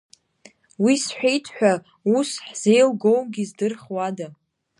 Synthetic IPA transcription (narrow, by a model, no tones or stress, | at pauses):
wisħʷᶣejtʰħʷᶣa | usħz̥ejlɡowɡʲizdɨrχwada